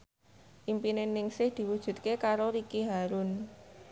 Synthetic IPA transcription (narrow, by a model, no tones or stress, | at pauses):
ʔimpinenɪŋsɪhd̪̥i̤wud̥ʒ̥ṳt̪̚kekaɾoɾikiɦaɾʊn